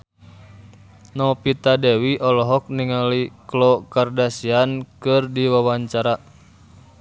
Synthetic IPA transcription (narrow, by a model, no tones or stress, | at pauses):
nɔpit̪adewiʔɔlɔɦɔk̚niŋaliklɔkardasiankɨrdiwawaɲt͡ʃaɾa